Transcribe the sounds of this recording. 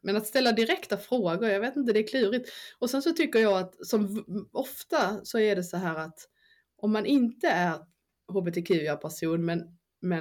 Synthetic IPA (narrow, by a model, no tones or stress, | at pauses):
mɛnat̪st̪ɛlːad̪ɪɾɛkt̪afɾoːɡʊɾjɑɡveːt̪ɪnt̪̬əd̪ɛːkʰlʉ̟ːɾɪt̪ːɔsɛnsɔt̪ʰʏkːəɾjɑːat̪sɔmɔft̪asɔæɖɛsɔɦæːɾat̪ | ʔɔmːanʔɪnt̪əæɾ | ɦuːbɛt̪ʰɛkʰʉ̟ːjapʰæʂuːnmɛn | mɛ